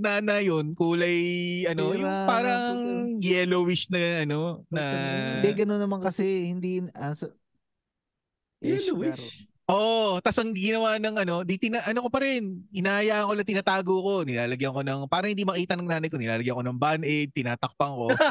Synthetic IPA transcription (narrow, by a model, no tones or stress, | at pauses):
naːnɐjonkuːlɐjʔɐnojʊŋpaːɾɐŋŋjɛlowɪʃnɐʔɐno̞nɐd̪ɛɡɐnonːɐmɐŋkɐsɛhɪnd̪iɐsɐ | ʔɛ | ʔot̪asɐŋɡɪnɐwanɐŋʔɐno̞d̪it̪ɪnaʔɐnoko̞pɐɾɛnɪnaːʔɐjaʔɐŋkolɐt̪ɪnaːt̪aːɡoko̞nɪnaːlɐɡjɐŋko̞nɐŋpaːɾɐŋhɪnd̪imɐkiːt̪ɐnɐŋnaːnɐjk̬o̞nɪnaːlɐɡjɐŋko̞nɐŋbanʔɛd̪̚t̪ɪnaːt̪ɐk̚pɐŋko̞